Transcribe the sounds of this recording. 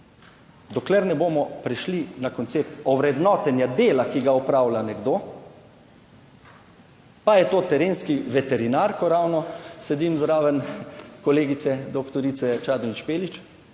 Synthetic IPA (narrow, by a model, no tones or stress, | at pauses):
d̪ɔklɛɾnɛboːmɔpɾɛʃlinakɔnt̪seːp̚t̪ɔwɾɛd̪nɔt̪ɛnjad̪eːlakiɡaɔpɾaːwlʲanɛɡd̪oː | pajɛt̪oːt̪ɛɾeːnskiʋɛt̪ɛɾinaɾkɔɾawnɔsɛd̪imzɾaːʋənkɔleːɡit̪sɛd̪ɔkt̪ɔɾit̪sɛt͡ʃaːd̪ʋinʃpeːlit͡ʃ